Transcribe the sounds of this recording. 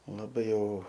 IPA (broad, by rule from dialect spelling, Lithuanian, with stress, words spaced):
lˠɐˈbɐɪ ˈjɛʊ